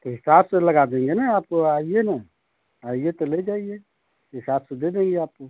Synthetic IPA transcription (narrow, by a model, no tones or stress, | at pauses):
t̪oɦɪsabseləɡad̪ẽŋɡenəaːp̚koaijenə | aijet̪oled͡ʒaːie | ɦisabsed̪ʱed̪ẽːŋɡeaːp̚ko